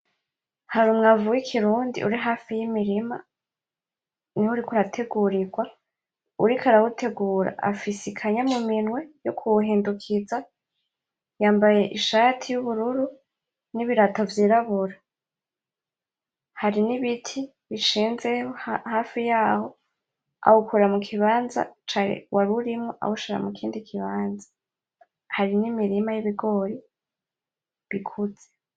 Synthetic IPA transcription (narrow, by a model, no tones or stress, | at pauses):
haɾumŋavuwikʰiɾuːndḭʔuɾiɦaːfijimiɾima̰ | nihuɾikuɾatʰe̞ɡuɾiɡwa | uɾikʰaɾawute̞ɡuːɾa̰ʔa̰fisikʰaɲamuminŋwe̞jokʰuuɦiːndukʰiza | jaːmbaje̞ʔiʃaːtʰijuβuɾuɾu | niβiɾatovjiːɾaβuɾa | haɾiniβitʰi | βiʃiːnzehohaːfijaːho̞ | a̰hukʰuɾamukʰiβaːnza̰t͡ʃanḛwʔaɾuɾimŋoʔa̰huʃiɾa̰mukʰiːndikʰiβaːnza | haɾinimiɾimajiβiɡo̞ɾi | βikʰud͡ze̥